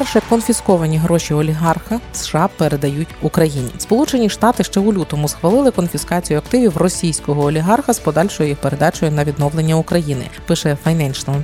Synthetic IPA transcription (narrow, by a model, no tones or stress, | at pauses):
pɛwʃɛkɔnfʲiskɔʋɐnʲiɦɾɔʃʲiɔlʲiɦɑrxɐsʃɑpeɾed̪ɐjutʲukɾɐjinʲḭspɔlˠut͡ʃe̞nʲiʃt̪ɑt̪ɪʃt͡ʃɛʊlʲut̪ɔmʊsxʋɐlˠɪlˠɪkɔnfʲiskɑt͡sʲijʊɐkt̪ɪʋʲiwrɔsʲijsʲkɔɦɔɔːlʲiɦɑrxɐspɔd̪ɑlʲʃɔjʊjixpeɾe̞d̪ɑt͡ʃɔjʊnɐʋʲid̪nɔʋlˠe̞nʲːɐukɾɐjinɪ̰pɪʃɛfɐjnɛnʲt͡ʃnɔ